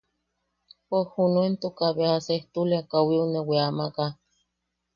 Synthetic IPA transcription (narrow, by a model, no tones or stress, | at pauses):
pohunuent̪ukaβeaseht̪ulekawiuneweamaka